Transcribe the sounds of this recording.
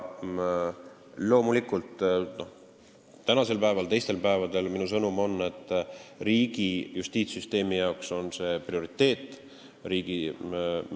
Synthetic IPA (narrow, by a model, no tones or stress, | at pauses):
lo̞ːmulikːˑult̪ˑnoh | t̪ænɑse̞lpæevɑlt̪e̞jst̪e̞lpæevɑd̪e̞lminus̬ɤnumo̞nːe̞t̪ːˑriːɡ̥ijust̪iːt̪syst̪e̞ːmijɑokso̞nse̞ːprioɾit̪ːˑe̞ːt̪ːˑ | ɾiːɡ̥i